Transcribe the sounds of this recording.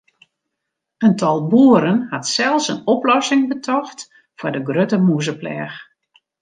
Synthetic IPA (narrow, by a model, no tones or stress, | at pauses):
əntʰɔlˠbuːəɾənhatsɛlˠsənɔplɔsɪŋbətʰɔxt | fʊdəɡrøtəmuzəplɛ̰ːx